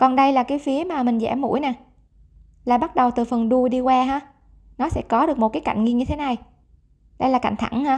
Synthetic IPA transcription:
kɔ˨˩nɗə˧jlaː˨˩kaː˨˦jfi˨˦əmaː˨˩mï˨˩ŋ̟zɛ̰˧˩mṵ˧˥əjnaː˨˩ | laː˨˩ɓa˦˥t̚ɗə˨˩wt̪ɨ˨˩fə˨˩nɗu˧ɗi˧kwaː˧ɦaː˨˥ | nɔ˨˦sɛ̰˧˥kɔ˨˦ɗɨ˨˩k̚mo˨˩t̚kaː˨˦jka̰˧˨jŋ̟ŋi˧əɲɨ˧t̪ʰe˨˦na˨˩j | ɗə˧jlaː˨˩ka̰˧˨jŋ̟t̪ʰa˧˩ŋnhaː˧˥

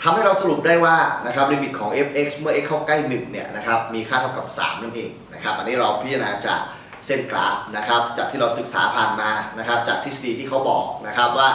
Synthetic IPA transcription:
t̪ʰa˧mha˥˩jɾa˧wsa˧ɾu˨˩p̚daː˥˩jwaː˥˩na˦˥kʰɾa˦˥p̚liː˧mi˨˩t̪̚kʰɔː˩˦ŋʔe˦˥pʔe˦˥k̚smɯ˥˩ɐʔe˦˥kʰːɔː˥˩kla˥˩jnɯ˨˩ŋni˦˥˩ɐna˦˥kʰa˦˥p̚miː˧kʰaː˥˩t̪ʰa˧˩wka˨˩p̚sa̰ː˩˦mna˥˩nʔeː˧ŋna˦˥kʰa˦˥p̚ʔa˧nːiː˦˥ɾa˧wpʰi˦˥t̪t͡ɕa˧a˧naː˧t͡ɕa̰ː˨˩k̚ | se˥˩nkla̰ː˨˩p̚na˦˥kʰɾa˦˥p̚t͡ɕaː˨˩kt̪ʰiː˥˩ɾa˧wsɯ˨˩k̚sa̰ː˩˦pʰaː˨˩nmaː˧na˦˥kʰɾa˦˥p̚t͡ɕaː˨˩k̚t̪ʰi˦˥sa˧diː˧t̪ʰiː˥˩kʰa˦˥wbɔ̰ː˨˩k̚na˦˥kʰa˦˥p̚waː˥˩

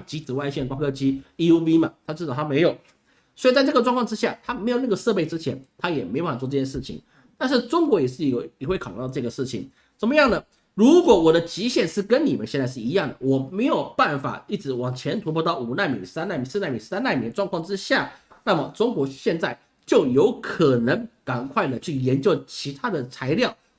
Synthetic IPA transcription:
t͡ɕi˧˥t͡sɹ̩˨˩wa˥˧ɪɕjɛ˥˩nkwa˥ŋkʰɤ˥t͡ɕi˥i˥u˥vi˥mɐ˨˩t̪ʰa˥t͡ɕ̩˥˩ɑ˨˩t̪ʰa˥me˧˥ɪjo˨˩ʊ | swɔ˧˥i˨˩t͡sa˥˧ɪʈ͡ʂɤ˥˩ɡə˩ʈ͡ʂwɑ˥˧ŋkʰwɑ˥ŋʈ͡ʂɻ̩˥ɕja˥˩t̪ʰa˥me˧˥ɪjo˨˩ʊna˥˩ə˩ʂɤ˥˧pe˥˩ɪʈ͡ʂɻ̩˥t͡ɕʰjɛ˧˥nt̪ʰa˥jɛ˨˩me˧˥ɪo˧pwɔ˧˩ɤ˥˧t͡ɕjɛ˥˧ʂɻ̩˥˩t͡ɕʰḭ˨˦ŋ | t̪a˥˧nʂ̬ɻ̩˥˩ʈ͡ʂʊ˥ŋkwɔ˧˥jɛ˨˩ʂɻ̩˥˩˨jxwe˥˩kʰw̪ʈ͡ʂɤ˧˩ɡə˩ʂɻ̩˥˩t͡ɕʰḭ˨˩ŋ | ʂə˨˩nmə˦jɑ˥˩ŋnə˩ | ɻu˧˦˥kwɔ˧˩wɔ˨˩d̪ə˦t͡ɕi˧˥ɕjɛ˥˧nʂɻ̩˥˩kə˦˥nni˨˩mə̰˦nɕɛ˥˧nt͡sa˥˧ʂɻ̩˥˩i˧˥jɑ˥˩ŋd̪ə˩wɔ˨˩me˧˥ɪjo˨˩ʊpa˥˩nfa̰˨˩i˥˩ʈ͡ʂɻ̩˧˥wɑ˨˩ŋt͡ɕʰjɛ˧˥nt̪ʰu˧˥pʰwɔ˥˧t̪ɑ˥˩ʊu˨˩na˥˩mḭ˨˥ŋsa˥na˥˩mi˧˥ŋsɹ̩˥˧na˥˩mi˧˥ŋ̩˥sa˥na˥˩mi˧˥ŋd̪ə˧ʈ͡ʂwɑ˥˧ŋkʰɑ˥˩ŋʈ͡ʂɻ̩˥ɕja˥˩na˥˩mə˩ʈ͡ʂʊ˥ŋkwɔ˧˥ɕjɛ˥˧nt͡sa˥˩ɪ | t͡ɕjo˥˩ʊjo˧˥ʊkʰɤ˨˩nə˧˦˥ŋka˨˩nkʰwa˥˩ɪlə˩t͡ɕʰy˥˩jɛ˧˥nt͡ɕjo˥˩ʊt͡ɕʰi˧˥t̪ʰa˥d̪ə˨t͡sʰa˧˥ɪljɑ˥˩ʊ

